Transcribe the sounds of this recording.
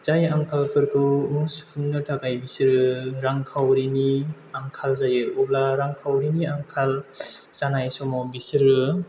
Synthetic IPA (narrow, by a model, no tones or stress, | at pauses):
z̥ajaŋkʰalkʰɯɾkʰɯwmuspʰunːɯtʰakajbisɯɾɯɾaŋkʰawɾini | aŋkʰalzajɯɔblaɾaŋkʰawɾiniaŋkʰalsanajsɔmɔbisɯɾɯ